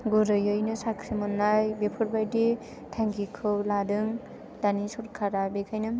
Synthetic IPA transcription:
ɡuɾɯjɯjnɯsakʰɾimɯnːajbepʰɯɾbajdi | tʰaŋkikʰɯwladɯŋ | danisuɾkʰaɾabekʰajnɯm

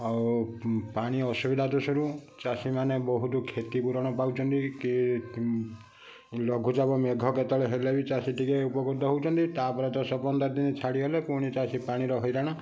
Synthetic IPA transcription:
auwpaɽ̃iɔsubid̪ʱat̪usɔɾut͡ʃasimanebɔɦut̪ukʰet̪ipuɾɔɽ̃ɔpawt͡ʃʰɔnt̪iki | lɔɡʱud͡ʒabɔmeɡʱɔket̪ɔɭeɦelebit͡ʃasiʈikeupɔkud̪ʱɔɦowt͡ʃʰɔnt̪it̪apɔɾet̪ɔsɔpɔnd̪ɔɾd̪init͡ʃʰaɽiɦelepuɽ̃it͡ʃasipaɽ̃iɾɔɦɔjɾaɽ̃a

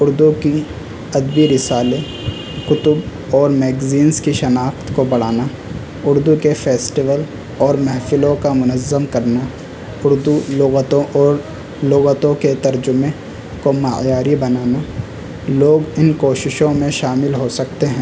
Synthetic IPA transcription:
ʊɾd̪uki | ɐd̪biɾɪsaːle | kʊt̪ʊb | ɔːɾmɛːɡziːnzkiʃɐnaːkt̪kobɐɽ̤aːna | ʊɾd̪ukefeːsʈiʋəl | ɔːɾmɛɦfɪlõkamʊnəzːəmkɐɾna | ʊɾd̪uoːɣt̪õʔɔːɾ | loːɣət̪õket̪ɐɾd͡ʒʊmẽ | komaːjaːɾibɐnaːna | loːɡɪnkoːʃɪʃõmẽʃaːmɪlɦosɐkt̪eɦɛ̃ː

